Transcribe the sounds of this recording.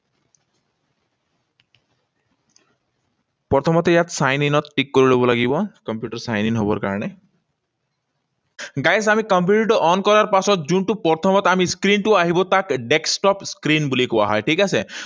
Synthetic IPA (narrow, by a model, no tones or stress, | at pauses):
pɔɾt̪ʰɔmɔt̪jat̪sajninɔt̪ʈikːoɾilɔbɔlaɡibɔkɔmpjuʈɔɾsajninɦobɔ̰ɾka̰ɾɔɽ̃e | ɡajsamikɔmp̬uʈiʈɔʔɔnkɔɾaɾpasɔt̪d͡ʒuɳʈupɔɾt̪ʰɔmɔt̪amiskɾinʈuaɦibɔt̪akɖeksʈɔpskɾinbulikowa̰ɦɔjʈʰikase